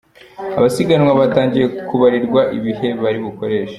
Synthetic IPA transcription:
a̰βasiɡanwaβataːŋɟije̞kuβaɾiɾɡwaʔḭβihe̞βaɾiβuko̞ɾe̞ːʃḁ

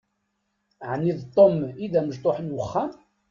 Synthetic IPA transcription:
ʕnːiðt̪ˤːomiðæməʒt̪ˤoħənwəχːæm

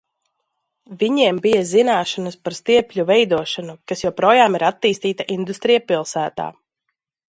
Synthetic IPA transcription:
viɲiɛmbijazinaːʃanəspaɾst̪iɛpʲlʲuvɛjd̪uɔʃanukasjawpɾoːjaːmiɾat̪ːiːst̪iːt̪aʔind̪ust̪ɾijapilˠsæːt̪a̰ː

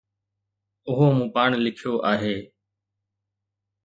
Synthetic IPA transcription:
ʊɦoːmũːpaːɳlɪkʰjoːʔaːɦeː

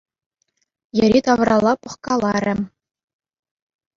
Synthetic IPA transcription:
jɘ̆ɾʲit̪ɑʋrɑlˠːɑpɤ̆χkɑlˠɑɾʲɘ̆

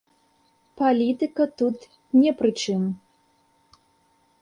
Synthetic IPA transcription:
palʲit̪ɨkɐt̪ut̪ | nʲɛpɾɨt͡ʂɨm

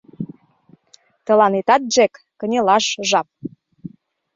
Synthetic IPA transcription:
t̪ə̆lɑnit̪ɑt̪̚ʒekːə̆nʲelɑʃʒɑp̚

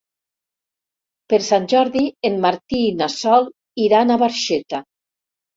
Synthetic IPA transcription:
peɾsanʲʒɔɾðienmaɾt̪inasɔl | iɾanaβaɾʃet̪a

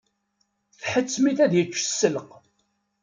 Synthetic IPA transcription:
fħət͡sːmiθæðjət͡ʃːə̥sːəlq

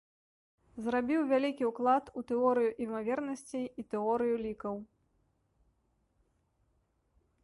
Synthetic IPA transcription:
zɾabʲiwvʲalʲikʲiwklˠat̪ut̪ɛɔɾɨjuʔimavʲɛrnɐsʲt͡sʲiːt̪ɛɔɾɨjulʲikɐw

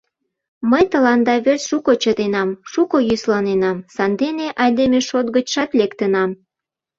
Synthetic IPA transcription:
məjt̪ə̆lɑnd̪ɑβersʃukot͡ɕəd̪enɑmʃukojyslɑnenɑmsɑnd̪eneʔɑjd̪emeʃot̪̚ɡət͡ɕʃɑt̪lekt̪ənɑm

